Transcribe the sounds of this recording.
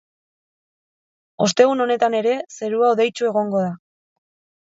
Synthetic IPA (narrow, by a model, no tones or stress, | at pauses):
o̞st̪e̞ɣuno̞ne̞t̪ane̞ɾe̞se̞ɾuaoðe̞jt͡ʃue̞ɣ̞o̞ŋɡo̞ða